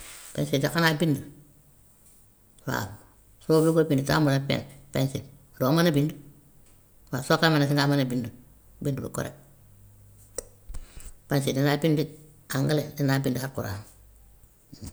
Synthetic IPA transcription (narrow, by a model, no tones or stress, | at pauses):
pḛnsid͡ʒakanabindu | wa̰ | sobiɡobinduta̰ːmunapḛːnpensḭ | domanabindu | wasokamenas̬iŋɡamanabindu | bindulṵko̰ɾḛ | pensidinaːbindi | aŋɡaledinabindihaɾkuɾa̰ːn